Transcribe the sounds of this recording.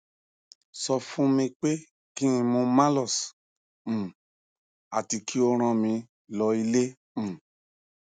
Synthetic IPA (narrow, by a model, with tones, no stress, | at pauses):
sɔ˧fũ˦mĩ˧k͡pe˦ | kĩ˦ĩ˧mũ˧mã˦lɔ˦˨s̩˨ | a˨ti˧kʰi˦o˦ɾ̃ã˧mĩ˧ | lɔ˧i˧lẽ˦˨